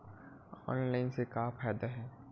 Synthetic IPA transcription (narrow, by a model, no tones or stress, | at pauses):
ɔ̰ːnlaːɪnsekaːpʰɛːd̪aɦɛː